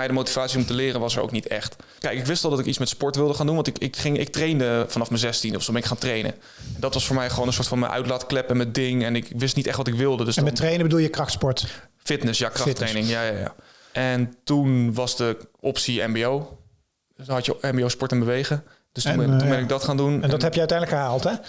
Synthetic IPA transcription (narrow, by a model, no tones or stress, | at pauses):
mɛjdəmowtivaːt͡ssiɔmtəlɪːrənʋɑsəɹo̰wknitɛ̰χtkɛjkɪkʋɪstʋɛlˠdɑtɪkitsmɛtspɔɹtʋɪlˠdəχaːndunʋɑntɪkɪkχɪŋɪ̰k̚trejndəfɑnɑfməzɛstindɔfsobɛnɪkχaːntrejnə̰ | ɛndɔtʋɑsfʊːɹmɛjχʋownənsʊːɹtfɑnmə̰nʔœ̰ɥtlatklɛpɛnmədɪŋɛnɪkʋɪstnitɛχtʋɑtɪkʋɪlˠdədøsɛtrejnəbədulˠjəkrɑxtspɔɹt | fɪtnəsjaːkrɑxtrejnɪŋjajaja̰ | ʔɛntunʋɑsdəʔɔpsiɛ̰mbeow | ɦɑtjəɛmbiowspɔɹtənbəʋejɣə | d̥østnubɛnɪɡ̚dɔtχaːndunɛnɛdɔthɛpjəœɥtɛjndləkəɦaːlˠtɛ